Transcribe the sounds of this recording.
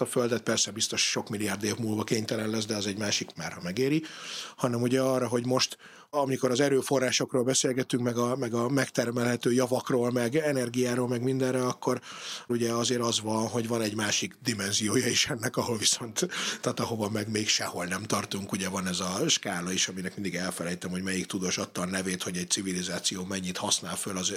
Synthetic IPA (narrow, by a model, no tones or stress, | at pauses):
ɒføld̪ɛt̪̚pɛrsɛbist̪o̞ʃʃo̞kmilijaːrd̪eːvmuːlvɒkeːɲt̪ɛlɛnlɛz̬d̪ɛɒzɛɟmaːʃikmaːrhɒmɛɡeːɾihɒnɛmuɟɛɒːrːɒɦo̞ɟmo̞ʃt̪ | ɒmiko̞ɾɒzɛɾøːfo̞rːaːʃo̞kroːlbɛseːlɡɛt̪yŋkmɛɡɒmɛɡɒmɛkt̪ɛrmɛlɦɛt̪øːjɒvɒkroːlmɛɡɛnɛrɡijaːɾolmɛɡmind̪ɛrːɛlɒkʰːo̞ruɟɛɒzeːɾɒzvɒnɦo̞ɟvɒnɛɟmaːʃiɡd̪imɛnzijoːjɒiʃɛnːɛkɒɦo̞lviso̞nt̪ːaːt̪ɒho̞vɒmɛɡmeːkʃɛho̞lnɛmt̪ɒrt̪uŋkuɟɛvɒnɛzɒʃkaːlɒeʃɒminɛkmind̪iɡɛlfɛlɛjt̪ɛmho̞ɟmɛjikt̪ud̪oːʃɒt̪ːɒlnɛveːt̪ho̞ɟɛc̪̚sivilizaːt̪sijoːmɛɲːit̪hɒsnaːlfølɒz